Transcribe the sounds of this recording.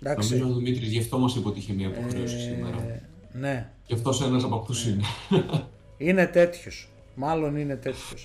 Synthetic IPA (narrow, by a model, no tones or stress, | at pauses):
d̪ɐknosmizooðimit̪ɾizʝeft̪omɐst̪ipot̪içemiɐpoxɾeosi̥simeɾɐ̰ | ne̞ | cft̪o̞senɐsɐpɐkt̪usine | ine̞t̪e̞t̪ços | mɐlo̞nine̞t̪e̞t̪ços